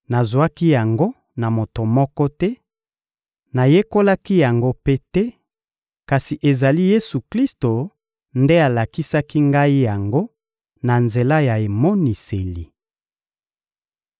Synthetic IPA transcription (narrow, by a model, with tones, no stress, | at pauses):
na˨zwa˦ki˦ja˨ŋɡo˦ | na˨mo˨to˨mɔ˦kɔ˦tɛ˦ | na˨je˦ko˦la˦ki˦ja˨ŋɡo˦pe˦tɛ˦ | ka˨si˨ʔe˨za˨li˦je˦su˨kli˦sto˨ | nde˦a˨la˨ki˦sa˦ki˦ŋɡa˦i˦ja˨ŋɡo˦ | na˨nze˨la˦ja˨e˨mo˦ni˨se˨li˨